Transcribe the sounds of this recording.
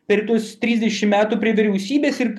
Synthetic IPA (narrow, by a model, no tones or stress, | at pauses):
pʲɛɾt̪uɔst̪ʲɾʲiːzd̪ʲɛʃʲɪmmʲæːt̪uːpʲɾʲiɛʋʲɪɾʲɛʊsʲiːbʲeːsɪɾ